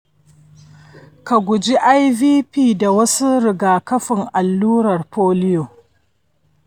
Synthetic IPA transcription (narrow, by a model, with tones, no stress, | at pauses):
ka˨ɡʷʊ˨d͡ʒi˦ʔa˦jviː˦piː˦˨da˨wɐ˦su˦ɾɪ˨ɡaː˨kɐ˦ɸɪ˨ŋʔa˨lːuː˦ɾɐ˨rpoː˦lɪ˦jo˨